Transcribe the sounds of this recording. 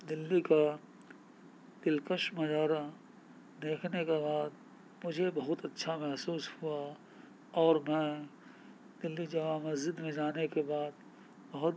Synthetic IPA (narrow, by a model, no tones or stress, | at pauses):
d̪ɪlːika | d̪̥ɪlkəʃmɐd͡ʒaːɾa | d̪eːkʰnekebaːd̪ | mʊd͡ʒʱebɐɦʊt̪ɐtːʃʰamɛɦsuːshua | ɔːɾmɛ̃ː | d̪ɪlːid͡ʒaamɐzd͡ʒɪd̪mẽd͡ʒaːnekebaːd̪̚ | bɐɦʊt̪